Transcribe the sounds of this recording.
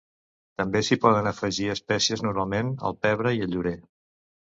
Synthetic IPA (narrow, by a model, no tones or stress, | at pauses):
t̪əmbesipɔðənəfəʒiəspɛsiəznuɾmalˠmenə̰lˠpɛβ̞ɾəiəlʎuɾe